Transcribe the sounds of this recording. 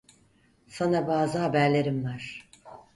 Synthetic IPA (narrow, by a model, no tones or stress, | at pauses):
sanabaːzɯɦabæɾlʲe̞ɾimvaɾ̥